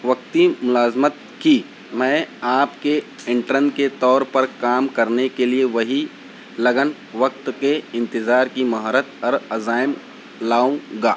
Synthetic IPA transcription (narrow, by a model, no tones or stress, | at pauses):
ʋɐk̚t̪imʊlaːzmət̪̚ | ki | mɛ̃ːaːpke | ɪ̃ɳʈɾə̃nd̪ket̪ɔːɾpɐɾkaːmkɐɾnekelieʋɐɦi | lɐɡən | ʋɐk̚t̪keɪ̃nt̪ɪzaːɾkimɐɦɔːɾət̪ɔːɾɐzaːɪm | laːũɡaː